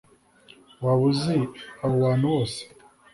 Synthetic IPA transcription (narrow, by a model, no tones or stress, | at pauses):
waβuziaβowaːn̥huwoːse̥